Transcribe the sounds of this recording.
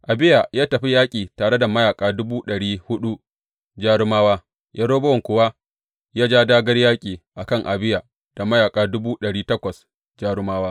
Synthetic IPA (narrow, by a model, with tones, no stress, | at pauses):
ʔa˨bɪ˦ja˨jaː˦tɐ˨ɸi˦jaː˦kʲʼiː˨taː˨ɽe˦da˨mɐ˦jaː˨kʼaː˦dʊ˦buː˦ɗɐ˨ɽiː˦hʊ˦ɗu˦ | d͡ʒaː˦ɽʊ˦maː˦waː˦ | jʔa˦ɽoː˦bɐ˦wɔ˨ŋkʷʊ˨wa˦ | jaː˦d͡ʒaː˦daː˦ɡɐ˦rjaː˦kʲʼiː˨ʔa˨kɐ˦˨ŋʔa˨bɪ˦ja˨ | d̥a˨mɐ˦jaː˨kʼaː˨˦dʊ˦buː˦ɗɐ˨ɽiː˦tɐ˦kʷɐ˨s | d͡ʒaː˦ɽʊ˦maː˦waː˦